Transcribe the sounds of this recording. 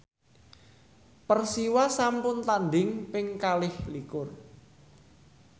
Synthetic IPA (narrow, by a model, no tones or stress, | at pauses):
pərsiwasampʊnt̪anɖɪŋpɪŋkalɪhlikʊr